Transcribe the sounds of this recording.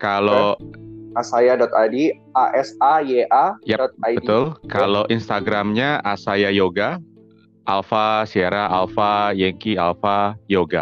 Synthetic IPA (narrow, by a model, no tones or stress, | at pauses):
kalo | asajadɔt̪adi | aʔɛsajeʔajat̪̚abət̪ʊlkaloʔinst̪aɡɾamɲaasajajoɡa | ʔalfasiaɾaalfajɛŋkialfajoɡa